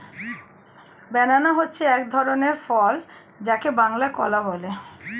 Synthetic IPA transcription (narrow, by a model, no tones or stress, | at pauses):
bɛnanaɦotːɕʰeɛkd̪ʱɔɾoneɾfɔl | d͡ʑakebaŋlakɔ̰labɔle